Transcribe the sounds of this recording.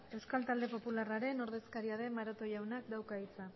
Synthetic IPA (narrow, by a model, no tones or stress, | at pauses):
e̞wskalt̪ald̪e̞po̞pularaɾe̞no̞ɾðe̞skaɾiaðe̞maɾot̪o̞jawnakd̪awkait͡sa